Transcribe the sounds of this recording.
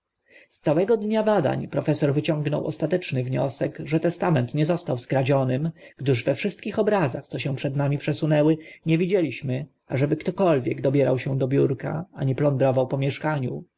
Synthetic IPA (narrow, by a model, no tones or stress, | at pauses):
st̪sawɛɡɔd̪ɲabad̪a̰ɲpɾɔfɛsɔɾvɘt͡ɕɔŋɡnɔ̰wʔɔ̰st̪at̪ɛt͡ʂnɘvɲɔ̰sɛɡʐɛt̪ɛst̪amɛnt̪ɲɛzɔst̪awskɾad͡ʑɔnɘmɡ̥d̪ɘʐvɛfʂɘst̪̚kʲixɔbɾazaxt̪sɔɕɛ̃w̃pʂɛd̪namʲipʂɛsunɛwɘɲɛvʲid͡ʑelʲiɕmɘ | aʐɛbɘkt̪ɔkɔlvʲjɛɡd̪ɔbʲjɛɾa̰wɕɛ̃d̪ɔbʲjuɾka̰aɲɛplɔnd̪ɾɔvawpɔmʲjɛʂkaɲu